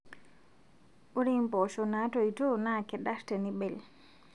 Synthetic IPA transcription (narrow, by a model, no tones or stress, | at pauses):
ʔuɾimpɔʃɔnatɔjtɔnakɛɗaɾtanibɛl